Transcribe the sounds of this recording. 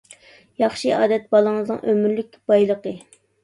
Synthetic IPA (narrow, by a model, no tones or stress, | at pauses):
jɑχʃɨɑːd̪ɛt̪̚bɑlˠəŋɨznɨ̰ŋʔømyɾlykʲb̥ɑjlˠəqə